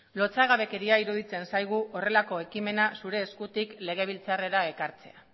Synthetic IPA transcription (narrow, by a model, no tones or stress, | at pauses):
lo̞t͡saɣ̞aβe̞ke̞ɾiaiɾuð̞it͡se̞nsajɣ̞uʔore̞lako̞e̞kime̞nasuɾe̞ːskut̪ikle̞ɣ̞e̞β̞ilt͡sare̞ɾae̞kaɾt͡se̞̰a